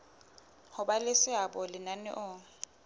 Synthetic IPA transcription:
hʊbalɪsɪabɔlɪnanɪ̰ʔʊ

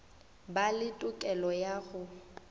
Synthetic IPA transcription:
balɪtʼʊkʼɛlɔjaɣʊ

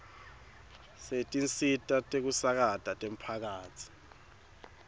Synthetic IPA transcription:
setʼint͡sʼitʼatʼek̬usak̬atʼatʼem̩pʰak̬aːt͡sʰi̥

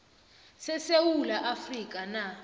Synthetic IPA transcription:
sɛsewulaʔafrik̬ʼana

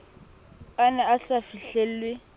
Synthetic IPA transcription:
anɛasafiɬel̩lwɪ

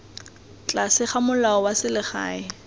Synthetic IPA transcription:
t͡ɬʼasɪχamʊlaɔwasɪlɪχa̰ːɪ

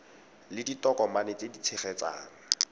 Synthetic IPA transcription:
lɪditɔkɔmanet͡sedit͡sʰeχɛt͡sa̰ːŋ̩

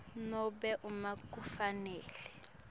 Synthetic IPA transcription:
nɔbɛʔumakʼufanɛːlɛ

